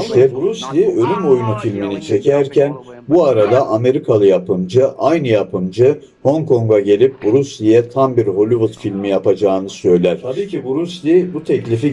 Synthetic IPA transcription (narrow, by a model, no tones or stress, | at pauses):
ʃɛɾɾuslʲiølʲymo̞junufilʲminit͡ʃʰɛcʰæɾcʰæn | buaɾad̪aʔame̞ɾikʰalˠɯjapʰɯmd͡ʒɯʔajnɯjapʰɯmd͡ʒɯ | ho̞ŋkʰo̞ŋɡaɟe̞lʲip̚buɾuslʲijɛt̪ʰambiɾɦo̞lʲivut̪filʲmijapad͡ʒaːɯnɯsø̞jlʲæɾ̥iːibuɾuslʲibut̪ʰɛclʲifi